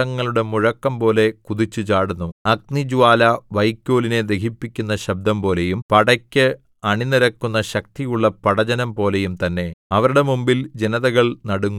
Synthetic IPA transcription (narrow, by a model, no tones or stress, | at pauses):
ɐŋːɐɭuɽe̞muɻɐkːɐmpo̞ːle̞kuðit͡ɕːut͡ɕaːɽunːuɐk̚nid͡ʑuʋaːlɐʋɐjkʲːo̞ːline̞d̪e̞kipːikʲːunːɐɕɐb̚d̪ʱɐmpo̞ːle̞jumpɐɽɐkʲːɨ | ɐɳiniɾɐkːunːɐɕɐk̚t̪ijuɭːɐpɐɽɐd͡ʑɐnɐmpo̞ːle̞jumt̪ɐnːe̞ɐʋɐɾuɽe̞mumbild͡ʑenɐðɐɣɐɭnɐɽuŋːu